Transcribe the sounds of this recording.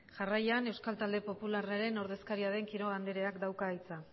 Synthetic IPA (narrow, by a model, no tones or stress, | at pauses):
ʝarajane̞wskalt̪ald̪e̞po̞pularaɾe̞no̞ɾðe̞skaɾiaðe̞ŋkiɾo̞ɣand̪eɾe̞akd̪awkait͡sa